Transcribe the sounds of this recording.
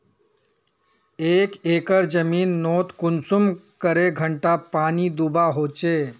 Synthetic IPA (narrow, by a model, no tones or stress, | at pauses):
ekekəɾd͡zəmiːnːot̪kunsumkəɾeɡʱəɳʈapañiːd̪ubaɦot͡ɕe